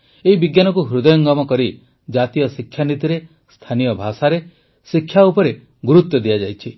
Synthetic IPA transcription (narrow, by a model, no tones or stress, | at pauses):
eɦibiɡjanɔkuɦɾud̪ɔjɔŋɡɔmɔkɔɾi | d͡ʒat̪ijɔsikʰːjanit̪iɾe | st̪ʰanijɔbʱasaɾe | sikʰːjaupɔɾe | ɡuɾut̪jɔd̪iad͡ʒajt͡ʃʰi